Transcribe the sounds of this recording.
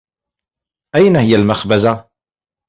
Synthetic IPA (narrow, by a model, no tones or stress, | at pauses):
ʔajnahɪjːalmaxbaza